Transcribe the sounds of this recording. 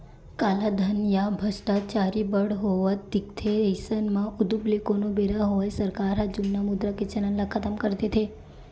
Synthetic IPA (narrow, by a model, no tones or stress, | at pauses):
kalad̪ʱənjabʱəsʈat͡ʃaɾibəɽɦoʋəd̪ɪkt̪ʰeɾəjsənmãʔud̪ublekonobeɾaɦojsəɾkaɾɦad͡ʒumnamud̪ɾaket͡ʃənənlakʰət̪əmkəɾt̪et̪ʰe